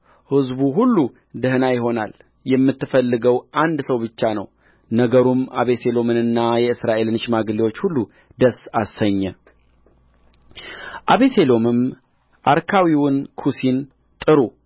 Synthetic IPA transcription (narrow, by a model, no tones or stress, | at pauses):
hɨzbuɦulːu | d̪əhnajɪɦo̞nal | jɛmːɨt̪ːɨfəlːɨɡəwʔand̪səwbɨt͡ʃːanə̰w | nəɡəɾuma̰βe̞se̞lo̞mɨnɨnːajɛɨsɾaʔe̞lɨnɨʃmaɡɨliwo̞t͡ʃːhulːu | d̪əsasəɲːɛ | ʔaβese̞lo̞mɨm | ʔaɾkʰawiwʊnkʰusin | t̪ʼɨɾu